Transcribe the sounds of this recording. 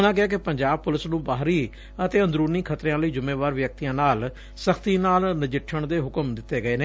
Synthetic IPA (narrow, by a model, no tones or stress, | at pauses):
ʊnãːkɪaːk̬ɪpəɲd͡ʒaːb̚pʊlɪsnũːbaːɦɾiː | ət̪eːə̃nd̪ɾuːɾniːkʰət̪ɾẽãːləiːd͡ʒʊmeːʋaːɾʋjək̚t̪ijãːnaːl | səkʰt̪iːnaːlnɪd͡ʒɪʈʰːəɳd̪eːɦʊkəmd̪ɪt̪ːeːɡəeːneː